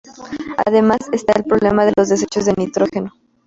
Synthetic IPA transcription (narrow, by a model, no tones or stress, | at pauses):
a̰ðe̞masest̪ae̞lpɾo̞βle̞mað̞e̞lo̞zðe̞s̬e̞t͡ʃo̞zðenit̪ɾo̞xe̞no̞